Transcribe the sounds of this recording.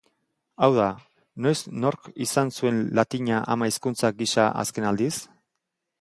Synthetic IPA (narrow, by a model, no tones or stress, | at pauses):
awða | no̞jsno̞ɾkisansue̞nlat̪iɲaʔamaiskunt͡saɡisaʔa̰ske̞nald̪is